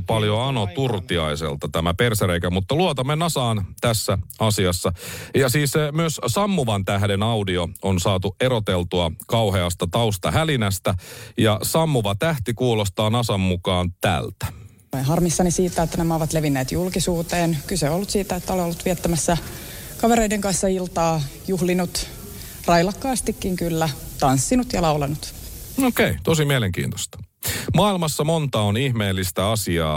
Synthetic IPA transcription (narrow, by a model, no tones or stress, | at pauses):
pɑljoɑnot̪urt̪iɑisḛlt̪ɑt̪æmæperseɾeikæmut̪ːɑluot̪ɑmenːɑsɑːnt̪æsːæɑsiɑsːɑjɑsiːssemyøssɑmːuʋɑnt̪æhde̞nɑwdioonsɑːt̪ueɾot̪elt̪uɑkɑwheɑst̪ɑt̪ɑust̪ɑhælinæst̪æjɑsɑmːuʋɑt̪æht̪ikuːlost̪ɑːnɑsɑmːukɑːnt̪æ̰lt̪æ̥ | oenɦɑrmisːɑnisiːt̪ːæet̪ːænæmæoʋɑt̪leʋinːeːt̪julkisuːt̪eːnkylseoolːut̪siːt̪æet̪ːæoleolːut̪ʋiɛt̪ːæmæsːæ | kɑʋeɾeideŋkɑnsːɑilt̪ɑːjuhlinut̪ | rɑjlɑkːɑːst̪ikːiŋkylːæt̪ɑnsːinut̪jɑlɑwlɑnut̪ | okeit̪osimieleŋkḭːnt̪o̥st̪ɑ̥ | mɑilmɑsːɑmont̪ɑonihmeːlːist̪æɑsiɑ̰ː